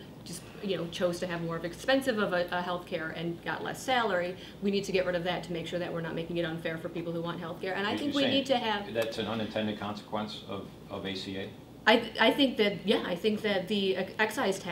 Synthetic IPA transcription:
d̥ʒ̥ʌst | jɨnoʊt͡ʃʰoʊz̥tʰɨɨvmɔɹʌvɨkspɛ̃nsɨvʌvəʔɦɛlˠθkʰɛɹɨ̃nɡ̥ɑ̰ʔˡlɛ̰sælˠə˞i | winid̚tʰɨɡɛʔ̚ɹɪɾʌvðɨtʰɨmeɪkʃʊɹðɨʔ̚wɨɹnət̚meɪkɪ̃ŋɨɾə̃nfɛɹfə˞pipl̩ˠhuwɑ̃nt̚ɦɛlˠθkʰɛɹʔɨ̃ñaɪθɪ̃ŋwinid̚tʰɨɨvðætsn̩ʌ̃nɨ̃ntʰɛ̃ndɨd̚kʰɑ̃nsə̥kʰw̥ɛ̃nsʌ̰v | ʌveɪsieɪ | ʔaɪaɪθɪ̃ŋk̚ðɨt̪̚jæa̰ɪθɪ̃ŋk̚ðɨt̪̚ðiɛksaɪz̥tʰ

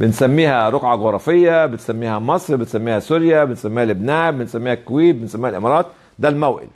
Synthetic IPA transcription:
bɪnsamːiːhaɾˤʊqʕɑɣʊɾˤɑfɪjːabɪt̪samːiːhamɑsˤɾbɪt̪samːiːhasuɾjabɪnsamːiːhalʔɪbnaːʔbɪnsamːiːhakːwiːt̚bɪnsamːiːhalʔɪmɑɾˤɑːt̪̚ | d̪almawʔɪ̰l

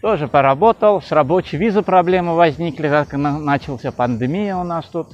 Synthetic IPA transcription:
t̪oʐɨpəɾɐbo̞t̪əlˠsrɐbo̞t͡ɕɪjvʲizɨpɾɐblʲemɨvɐzʲnʲiklʲɪkaknanat͡ɕɪlˠsʲapənd̪ɨmʲijəʊnast̪ut̪

